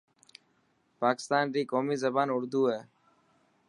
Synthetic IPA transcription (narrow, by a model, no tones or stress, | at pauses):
paːkɪ̥st̪aːnɾiːkoːmiːzəbaːnʊɾd̪uːɦeː